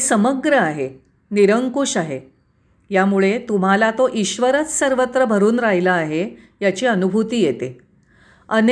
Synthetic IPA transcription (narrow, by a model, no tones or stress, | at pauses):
səməɡɾəaɦe | niɾəŋkuɕaɦe | jamuɭet̪um̤alat̪oʔiɕʋəɾət͡ssəɾʋət̪ɾəbʱəɾuːnɾaɦilaːɦe | jat͡ɕiːənubʱut̪iːjet̪e | ən